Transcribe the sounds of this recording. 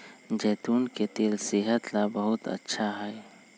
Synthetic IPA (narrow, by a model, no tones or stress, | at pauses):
d͡ʒɛːt̪uːnket̪eːlsɪɦət̪labəɦʊt̪ə̰tːʃʰaɦɛː